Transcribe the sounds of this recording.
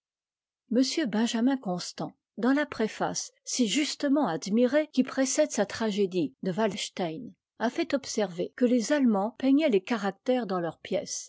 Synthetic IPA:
məsjøbɛ̃ʒamɛ̃kɔ̃st̪ɑ̃ | d̪ɑ̃lapχefa̰sːiʒyst̪əmɑ̃ad̪miʁekʲipχesɛd̪sat̪χaʒed̪id̪əvalʃt̪ajn | afɛt̪ɔpsɛʁvekəlezalmɑ̃pɛɲɛlekaʁak̚t̪ɛʁd̪ɑ̃lœʁpjɛs

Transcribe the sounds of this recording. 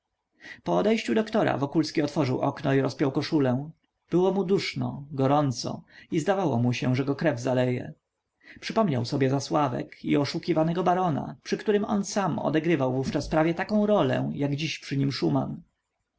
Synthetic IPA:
pɔːd̪ɛjɕt͡ɕud̪ɔkt̪ɔɾa̰vɔkulskʲiɔt̪fɔʐɘwʔɔ̰knɔiɾɔspʲjɔwkɔʂulɛ̃ | b̥ɘwɔmud̪uʂnɔ̰ɡɔɾɔnt̪sɔ̰izd̪avawɔmuɕɛ̃ʐɛɡɔkɾɛvzalɛjɛ̰ | pʂɘpɔmɲawsɔbʲjɛzaswavɛ̰kiɔʂukʲivanɛɡɔbaɾɔna̰pʂɨkt̪uɾɘmɔ̰nsamɔ̰d̪ɛɡɾɘvawvuft͡ʂaspɾavʲjɛt̪akɔ̃w̃ɾɔlɛ̰̃jaɡd͡ʑiɕpʂɘɲimʂuma̰n

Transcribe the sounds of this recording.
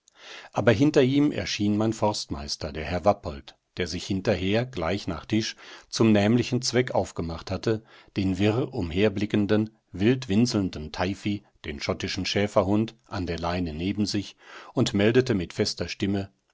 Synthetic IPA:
ʔaːbɐɦɪntɐʔiːmʔɛ̰ɐʃiːnmaɪnfɔɐstma̰ɪstɐdeːɐɦɛɐvapʰɔlt | d̥eːɐzɪçhɪntɐɦeːɐɡlaɪçna̰ːχtʰɪʃt͡sʊmnɛːmlɪçn̩t͡sv̥ɛkʔaʊfɡ̥əmaχthatə | d̥eːnvɪʁʊmɦeːɐblɪkəndən | vɪltv̥ɪnzl̩ndn̩tʰaɪfid̥eːnʃɔtɪʃn̩ʃɛːfɐhʊntʔa̰ndeːɐlaɪnəneːbm̩zɪçʊntmɛldətəmɪtfɛstɐʃtɪmə

